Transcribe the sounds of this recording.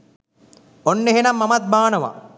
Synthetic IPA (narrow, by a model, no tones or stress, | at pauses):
onːeɦenɐmːɐmɐt̪̚baːnɐʋa̰